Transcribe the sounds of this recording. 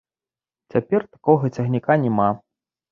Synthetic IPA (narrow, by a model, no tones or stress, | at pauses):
t͡sʲapʲɛrt̪ḁkɔɣɐt͡sʲɐɣnʲikanʲɛma